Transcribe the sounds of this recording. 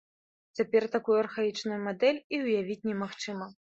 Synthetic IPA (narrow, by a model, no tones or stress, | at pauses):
t͡sʲapʲɛrt̪akujuɐrxait͡ʂnujumad̪ɛlʲiwjavʲit͡sʲnʲɛmaxt͡ʂɨmɐ